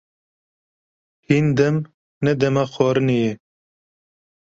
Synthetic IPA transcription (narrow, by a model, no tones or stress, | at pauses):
hind̪ɛm | nɛd̪ɛmaxɑːɾɨneje